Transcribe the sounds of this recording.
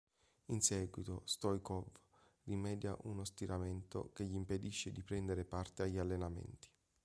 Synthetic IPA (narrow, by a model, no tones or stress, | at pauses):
insɛːɡwit̪ost̪ɔjkɔv | rimɛːd̪jaʔunost̪iɾʔament̪o̰keʎːiːmped̪iʃːed̪ipɾɛnd̪eɾepart̪eaʎːialːenamḛnt̪i̥